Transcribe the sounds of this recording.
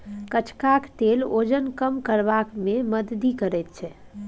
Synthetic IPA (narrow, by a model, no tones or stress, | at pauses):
kət͡ʃʰkakʈ̪elod͡ʒənkəmkəɾbakmeməd̪d̪ikəɾɛt̪̚t͡ʃʰɛ